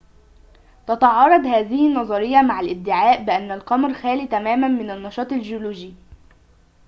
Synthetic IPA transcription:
t̪ɑt̪ɑʕɑːrˤɑd̪hæːðɪhinːɑzˤɑɾɪjːɑmaʕalʔɪb̚d̪ːɪʕaːʔbɪʔanːælqɑmɾxæːliːt̪æmæːmænmɪnænːɑʃɑːt̪ˤɪlʒoluːʒi

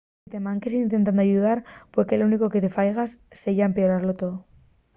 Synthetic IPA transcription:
t̪e̞mãŋkesint̪e̞nt̪̬and̪oaʝuðaɾpwekeluniko̞ket̪e̞fajɣasːeʝaempeoɾaɾlot̪o

